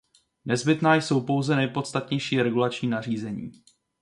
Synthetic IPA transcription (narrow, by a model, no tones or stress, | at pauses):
nɛzbɪt̪naːjso̞wpo̞wzɛnɛjpo̞t̪st̪at̪ɲɛjʃiːɾɛɡulat͡ʃɲiːnar̝iːzɛɲḭː